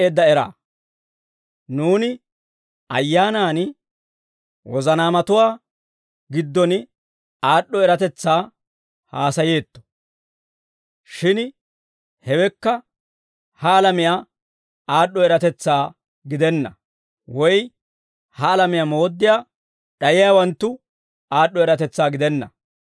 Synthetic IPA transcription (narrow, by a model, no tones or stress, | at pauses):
ʔed̪ːɐɛɾa̰ː | nuːnɪ | ɐ̰jːaːnaːn | wɔzɐnaːmɐt̪ʊwaː | ɡɪd̪ːɔn | aːɗːɔɛɾɐt̪ɛt͡sːaː | haːsɐjeːt̪ːɔ̥ | ʃɪn | hɛwɛkːɐ | hɐːlɐmɪjaː | aːɗːɔɛɾɐt̪ɛt͡sːaː | ɡɪd̪ɛnːɐ̰ | wɔj | hɐːlɐmɪjamo̞ːd̪ːɪjaː | ɗɐjɪjaːwɐnt̪ːʊ | aːɗːɔɛɾɐt̪ɛt͡sːaːɡɪd̪ɛnːɐ̰